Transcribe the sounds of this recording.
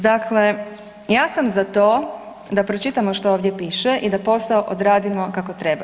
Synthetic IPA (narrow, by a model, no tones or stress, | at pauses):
d̪akʰle̞ | jaːsamzat̪oː | d̪apɾot͡ʃit̪amo̞ʃt̪ooːʋd̪je̞piːʃeʔid̪apo̞saoʔod̪ɾaːd̪imo̞kakot̪ɾe̞ba